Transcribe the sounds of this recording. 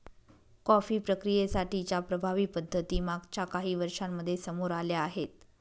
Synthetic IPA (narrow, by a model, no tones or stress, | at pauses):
kɔfiːpɾəkɾijesaʈit͡ɕjapɾəbʱaʋiːpəd̪ʱːət̪iːmaɡt͡ɕjakaɦiːʋəɾʂamːəd̪ʱːjesəmoɾaljaːɦet̪̚